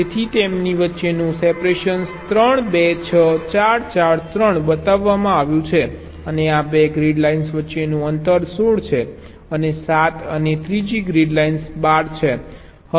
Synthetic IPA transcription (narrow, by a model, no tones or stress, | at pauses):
et̪ʰit̪emniʋətːʃenũsepɾeʃənst̪ɾəɳ̃bet͡ʃʰət͡ʃaɾt͡ʃaɾt̪ɾəɳbət̪aʋːamãaʋjũt͡ʃʰe | əneabeɡɾiɖlainsʋətːʃenũənt̪əɾsoɽt͡ʃʰe | ənesat̪ənet̪ɾid͡ʒiɡɾiɖlainsbaɾt͡ʃʰe | hə